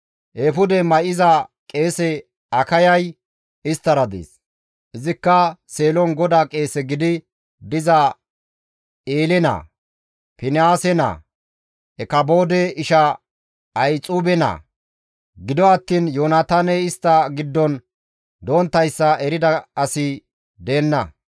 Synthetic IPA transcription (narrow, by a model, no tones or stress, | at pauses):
ʔeːfʊd̪ɛmɐʔɪzɐkʼe̞ːsɛ | ɐkɐjɐj | ɪst̪ːɐɾɐd̪ḛːs | ʔɪzɪkːɐse̞ːlɔnɡɔd̪aːkʼe̞ːsɛɡɪd̪ɪ | d̪ɪzɐ | eːlɛnɐ̰ː | pɪnɪaːsɛnɐ̰ | ɛkɐbo̞ːd̪ɛɪʃɐ | ɐjt͡sʼuːbɛnɐ̰ː | ɡɪd̪ɔɐt̪ːiːnjoːnat̪aːnɛɪst̪ːɐɡɪd̪ːɔn | d̪oːnt̪ːɐjsːɐɛɾɪd̪ɐɐsɪ | d̪e̞ːnːɐ